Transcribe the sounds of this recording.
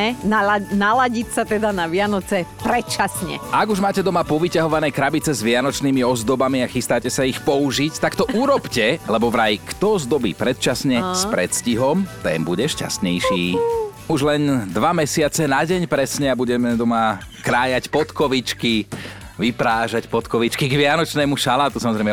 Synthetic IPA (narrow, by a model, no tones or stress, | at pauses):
ɛnanalaɟicsat̪ɛd̪anaʋɪanɔt͡sɛpɾɛt̪t͡ʃasɲɛ̰ʔaɡuʒmaːcɛd̪ɔmapɔʋicaɦɔʋanɛjkɾabit͡sɛzʋɪanɔt͡ʃnimiɔzd̪ɔbamiaxist̪aːcɛsaixpɔuʒict̪akt̪ɔʔuɾɔpcɛlɛbɔʋɾajkt̪ɔzd̪ɔbḭːpɾɛt̪̚t͡ʃasɲɛsspɾɛt̪sciɦɔmt̪ɛ̰ːmbuɟɛʃca̰st̪ɲɛjʃiːuʒlɛnd̪ʋamɛsɪat͡sɛnaɟɛɲpɾɛsɲɛabuɟɛmɛd̪ɔmakɾaːjacpɔt̪kɔʋit͡ʃki | ʋipɾaːʒacpɔt̪kɔʋit͡ʃkiɡʋɪanɔt͡ʃnɛːmuʃalaːt̪usamɔzɾɛjmɛ